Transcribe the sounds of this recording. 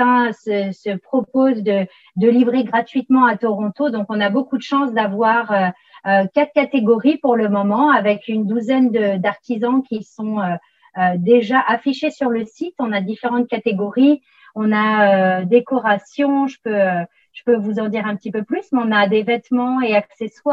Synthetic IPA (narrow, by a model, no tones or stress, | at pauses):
ɛ̃səsəpχɔpozd̪ə | d̪əlivʁeɡʁat̪ɥit̪mɑ̃at̪ɔʁɔ̃t̪od̪ɔ̃kɔ̃nabokud̪əʃɑ̃sd̪avwaʁø | økat̪χkat̪eɡɔʁipuʁləmɔmɑ̃avɛkynd̪uzɛnd̪əd̪aʁt̪izɑ̃kʲisɔ̃ø | ød̪eʒaʔafiʃesyʁləsit̪ɔ̃nad̪ifeʁɑ̃t̪̚kat̪eɡɔʁi | ɔ̃naød̪ekɔʁasjɔ̃ʒəpøø | ʒ̥əpøvuzɑ̃d̪iʁɛ̃pət̪ipøplysmɛɔ̃nad̪evɛt̪mɑ̃eaksɛswaʁ